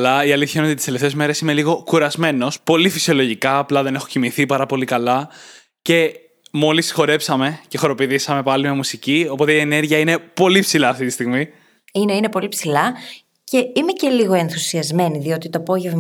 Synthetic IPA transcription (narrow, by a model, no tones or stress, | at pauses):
lɐiɐliθçɐinot̪it̪ist̪eleft̪e̞zme̞ɾe̞sine̞liɣo̞kuɾɐzme̞no̞spo̞lifi̥sio̞lo̞ʝikɐːplɐðe̞ne̞xo̞cimiθipɐɾɐpo̞likɐlɐ | ce̞ | mo̞lisi̥xo̞ɾe̞psɐme̞ce̞xo̞ɾo̞piðisɐme̞pɐlime̞musicio̞po̞t̪e̞ie̞ne̞ɾʝiɐine̞po̞lipsilɐːft̪it̪ist̪iɣmi | ineine̞po̞lipsilɐ | ce̞ime̞ce̞liɣo̞e̞nθusiɐzme̞niðio̞t̪it̪oɐpo̞ʝevm